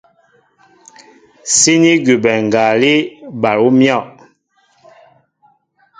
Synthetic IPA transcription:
si˦ni˦ɡu˨bɛ˨ŋ˨ɡa˨li˦ba˨ɾu˦mjɔ˦˨ʔ

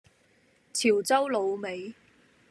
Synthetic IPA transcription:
t͡sʰiː˨˩wt͡sɐ˥wlo˨˧wme˨˧j

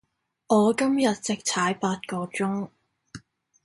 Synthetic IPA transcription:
ʔɔː˨˧kɐ˥mjɐ˨t̚t͡sɪ˨k̚t͡sʰaː˨˥jpaː˧t̚kɔː˧t͡sʊ˥ŋ

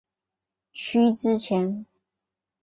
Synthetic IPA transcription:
ɕʰy˥t͡sɹ̩˥t͡ɕʰjɛ˧˥n

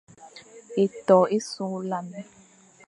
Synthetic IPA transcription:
e˨tɔ˨e˦sũ˦la˦mi˦

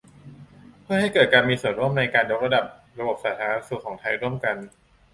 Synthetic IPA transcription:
pʰɯ˥˩əha˥˩jkɤː˨˩t̪̚kaː˧nmiː˧su˨˩ənɾu˥˩ə˨mna˧jkaː˧njo˦˥k̚ɾa˧da˨˩p̚ | ɾa˧bo˨˩p̚saː˩˦˩t̪ʰaː˧˦a˦a˥su˨˩k̚ʰːɔː˩˦ŋt̪ʰa˧jɾu˥˩əmka˧n

